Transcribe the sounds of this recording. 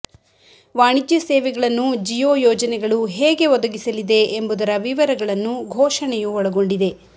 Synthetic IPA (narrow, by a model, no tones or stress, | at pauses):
ʋaːɳid͡ʒ̪jɐsɛːʋɛɡɐɭɐnːud͡ʒijoːjɔːd͡ʒɐnɛɡɐɭuɦɛːɡe̞ʋɔd̪ɐɡisɐlid̪e̞ːmbud̪ɐɾɐʋiʋɐɾɐɡɐɭɐnːuɡʱɔːʂɐɳɛjuɔɭɐɡo̞ɳɖid̪e̞